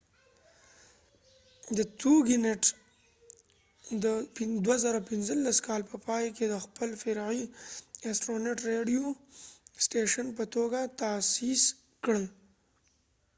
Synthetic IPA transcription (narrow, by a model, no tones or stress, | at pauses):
d̪ət̪uɡineʈ | d̪əpɪd̪wazaɾapɪnzəlːaskɑlpəpɑjked̪əxpəlfɪɾʕiasʈɾoneʈɾeɖijo | sʈeʃənpət̪oɡat̪asis | kɽəl